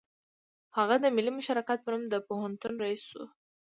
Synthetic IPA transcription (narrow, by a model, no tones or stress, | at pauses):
haɣad̪əmɪlːimʊʃɑɾɑkat̪̚mʊnʊmd̪əpoɦʊnt̪unɾaiswu